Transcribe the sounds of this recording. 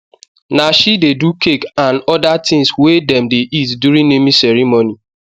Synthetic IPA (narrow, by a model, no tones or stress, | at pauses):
naʃidedukʰekanɔdatɪ̃ŋswedɛ̃mdeʔitdjuɾĩnnemisɛɾimoni